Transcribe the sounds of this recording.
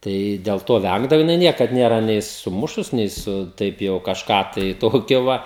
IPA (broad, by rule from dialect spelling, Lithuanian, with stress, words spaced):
ˈtɐɪ dʲeːlˠ ˈtoː ˈʋʲæŋɡdɐʋoː jɪˈnɐɪ ˈnʲiɛkɐt ˈnʲeːrɐ nʲɛɪ sʊˈmʊʃʊs nʲɛɪ ˈsʊ ˈtɐɪp jɛʊ kɐʃˈkɑː tɐɪ ˈtoːkʲoː ˈʋɐ